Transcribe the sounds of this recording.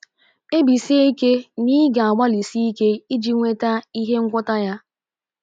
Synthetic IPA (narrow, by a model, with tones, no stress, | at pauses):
e˦bi˨si˦e˦i˦ke˦niː˦ɡa˨a˨ɡ͡ba˦li˨si˦i˦ke˦i˦d͡ʒi˦ŋʷe˦ta˦i˦ɦe˦ŋ̩˦kʷʊ˦ta˦ja˦